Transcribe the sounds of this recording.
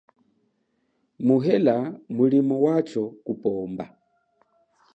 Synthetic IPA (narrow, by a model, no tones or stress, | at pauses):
muɦɛlamulimɔwat͡ʃɔkupɔmba̰